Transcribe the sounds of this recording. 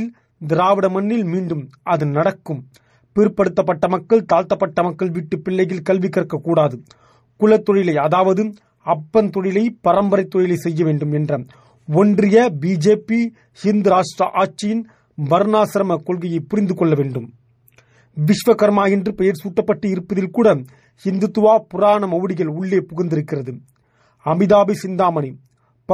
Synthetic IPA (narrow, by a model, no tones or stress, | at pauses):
ɪl | d̪ɪɾaːʋɪɽɐmɐnːɪlmiːɳɖɯmʔɐðɯnɐɽɐkːɯm | pɪɾɯpːɐɽɯt̪ːɐp̬ːɐʈːɐmɐkːɐɭt̪aːlt̪ːɐpːɐʈːɐmɐkːɐɭʋiːʈːɯpːɪlːɐjɪlkɐlʋɪkːɐɾɐkːɐkːuːɽaːðɯ | kʊlɐt̪ːɔɻɪlɐɪɐðaːʋɐðɯ | ɐpːɐnt̪ɔɻɪlɐɪpɐɾɐmbɐɾɐɪt̪ːɔɻɪlɐɪsɛjːɐʋeːɳɖɯmɛndrɐ | ɔndrɪjɐbiːd͡ʒeːpːi | hɪnd̪ɯɾaːʂʈrɐʔaːʈ̚t͡ʃɪjɪn | ʋɐɾnaːsɐɾɐmɐkɔlɣɐjɐɪpʊɾɪnd̪ɯkɔɭːɐʋeːɳɖɯm | ʋɪʂʋɐkɐɾmaːjɪndrɯpɛjɐɾsuːʈːɐpːɐʈːɯɪɾɯpːɐðɪlkuːɽɐ | hɪnd̪ɯt̪ːɯʋaːpʊraːɳɐmɐʋɯɽɪɣɐɭʊɭːeːpʊɣɐnd̪ɪɾɯkːɪrɐðɯ | ɐmɪðaːbisɪnd̪aːmɐɳi